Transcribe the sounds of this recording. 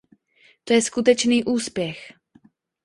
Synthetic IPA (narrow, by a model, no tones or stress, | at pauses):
t̪o̞jɛskut̪ɛt͡ʃniːʔuːspjɛx